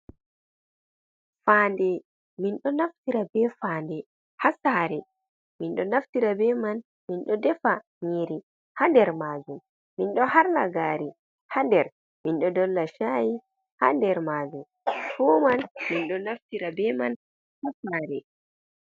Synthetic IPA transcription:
faːndɛ | minɗɔnaftiɾabɛfaːndɛ | hasaːɾɛ | minɗɔnaftiɾabɛman | minɗɔdɛfa | ɲeɾi | handɛɾmaːd͡ʒumː | inɗɔhaɾnaɡaːɾi | handɛɾ | minɗɔdɔlːaʃaːji | ha̰ndɛɾmad͡ʒum | fɔmanminɗɔnaftiɾabɛman | hasaɾɛ

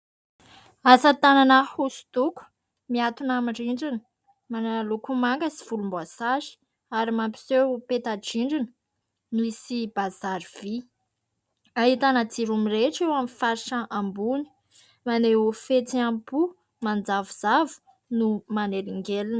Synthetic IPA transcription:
asət̪ananəhusu̥t̪uku̥ | miat̪unamiɳɖ͡ʐiɳɖ͡ʐinə̥ | mananalukumaŋɡəsi̥v̥ulumbasaʃi̥ | aɾimampi̥sepet̪aʈ͡ʂiɳɖ͡ʐinə̥ | nuisibazaɾiv̥i | aɦit̪anat͡siɾumiɾeʈ͡ʂewamifaɾiʃəʔambuni̥ | maneufet͡siampu | mand͡zavuz̥avu̥ | numaneɾiŋɡelinə

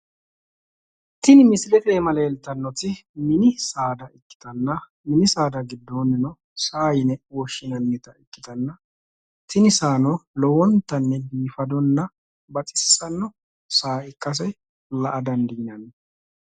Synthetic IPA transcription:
t̪ɪnɪmɪslɛt̪eːmɐleːlt̪ːɐnːɔt̪ɪmɪnɪsaːd̪ɐʔɪkːɪ̥t̪ɐnːɐ | mɪnɪsaːd̪ɐɡɪd̪ːoːnːɛnɔ | saːjnɛwɔʃːɪnɐnːɛt̪ɐɪkʼːɪt̪ɐnːɐ | t̪ɪnɪsaːnɔlɔwɔnt̪ːɐnːɛdiːfɐd̪ɔnːɐ | bɐt͡sʼɪ̥ssɐnːɔ | saːʔɪkːɐs̬ɛj | lɐʔɐd̪ɐnd̪iːnɐnː

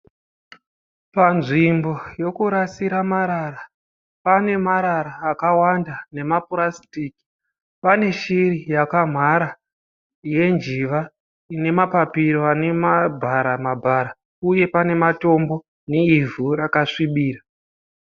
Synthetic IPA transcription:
panʐimbo̞jo̞kuɾasiɾamaɾara | pane̞maɾaɾaːkawandane̞mapurasi̥tiːki̥ | pane̞ʃirijakam̤ʱaɾa | je̞nd͡ʒiʋa | ine̞mapapiɾoane̞mabʱaɾamabʱaɾa | uje̞pane̞mato̞mbo̞ | neivʱuɾakaʂiɓiːra

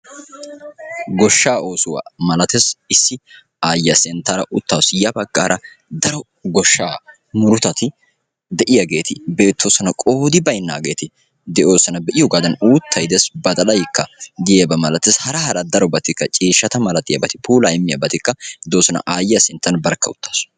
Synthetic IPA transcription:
ɡɔʃːaːʔo̞ːsʊwa̰ːmɐlɐt̪esɪsːɪ | aːjɐsɛnt̪ːɐɾɐ̰ʔʊt̪ːawsjɐbɐɡːa̰ːɾʔɐ | d̪ɐɾɔ | ɡɔʃːaː | mʊɾʊt̪ɐt̪ɪ | d̪ɛʔɪjɐɡe̞ːt̪ɪbe̞ːt̪ːosɐnɐkʼo̞ːd̪ɪbɐjnːa̰ːɡe̞̰ːt̪ɪ | d̪ɛʔo̞ːsːɐnɐbɛʔɪjɔɡaːd̪ɐnuːt̪ʰːɐjd̪ɛsbɐt̪ʼɐlɐjkːɐd̪ɪjeːbɐmɐlɐt̪ːeshɐɾɐhɐɾɐd̪ɐɾɔbɐt̪ɪkːɐt͡ʃʼiːʃːɐt̪ɐmɐlɐt̪ʼɪjɐ̰bɐt̪ɪ̥puːlaɪmːɪjɐbɐt̪ɪkːɐd̪oːsɐnɐ̰ʔaːjjɐsɛnt̪ːɐnbɐɾkːɐʊ̰t̪ːḁːsʊ̥

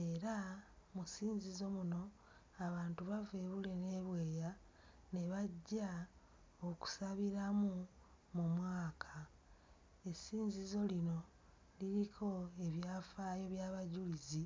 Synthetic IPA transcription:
e̞ɾamusiːɲzizo̞muno̞ | aβaːntuβave̞βule̞ne̞βwe̞ːja | ne̞βaɟːa | oku̥saβiɾamu | mumwaːkʰḁ | e̞siːɲzizo̞lino̞ | liɾikʰo̞e̞βjaːfajo̞βjaːβaɟulizi

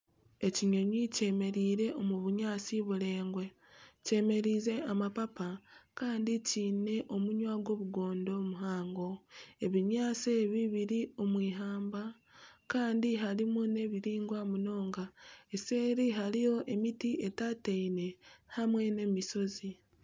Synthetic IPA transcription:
e̞ciɲo̞ɲice̞ːme̞ɾiːɾe̞ʔomuβuɲaːt͡siβuɾe̞ːŋɡwe | ce̞ːme̞ɾiːze̞amapapakaːndiciːne̞ʔo̞muɲwaːɡwo̞ːβuɡo̞ːndo̞muɦaːŋɡo̞e̞βiɲaːt͡seβiβiɾio̞mwiːɦaːmba | kaːndiɦaɾimune̞βiɾiːŋɡwamuno̞ːŋɡae̞seːɾiɦaɾijo̞ʔe̞mitie̞tateine̞hamwe̞ne̞miso̞zi

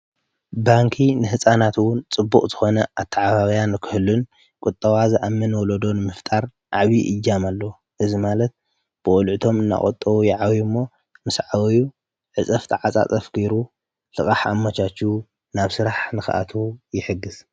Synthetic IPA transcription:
baŋkʰinɨɦɨsʼanat̪wʊnt͡sʼɨbːukʼzɨxo̞nɐʔat̪ʰːaʕaβaβɐjanːɨkʰɨhɨlːun | kʼʊt̪ʼːɐwazʔamːɨnwɔlod̪o̞nɨmɨft̪ʼaɾ | ʔaβiʔɨjːamalːɐw | ʔɨzimalɐt̪̚ | b̥ɨʔʼɔlʕɨt̪ʰo̞mɨnːa̰χʼot̪ʼːɐwujɛʕawjumːo̞ | mɨsʕawju | ʕɨt͡sʼɐft̪ʰɨʕat͡sʼa̰t͡sʼɐfɡ̥eɾu | lɨkʼaħamːat͡ʃat͡ʃːu | naβsɨɾaħnɨxɨ̰ʔa̰t̪ʰujɪħɨɡːɨz̥

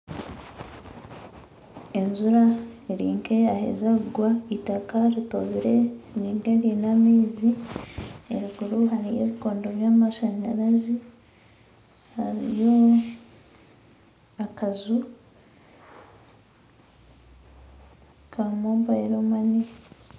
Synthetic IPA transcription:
e̞nzuɾaiɾiːŋke̞ahḛzaɡwaitakaɾitoβiɾeniːŋɡeɾinamiːzi | eɾiɡuɾuɦaɾijḛβikoːndoβjaːmaʃaɲaɾazi | haɾḭjo | akazu | kʰamoːmbaeɾomani

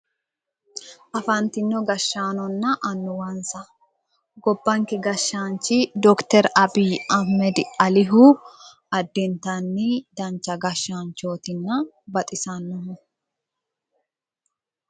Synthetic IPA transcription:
ʔɐfɐnt̪ɪnːɔɡɐʃːaːnɔnːɐʔɐnːʊwɐnsɐ | ɡɔbːɐŋkɛɡɐʃːaːnt͡ʃːɪd̪ɔkt̪ɛɾɐbiːʔɐhmɛd̪ɪɐlɪɦʊ | ɐd̪ːɛnt̪ɐnːɪd̪ɐnt͡ʃːɐɡɐʃːaːnt͡ʃo̞ːt̪ɪnːɐ | bɐt̪ʼɪsɐnːɔhʊ

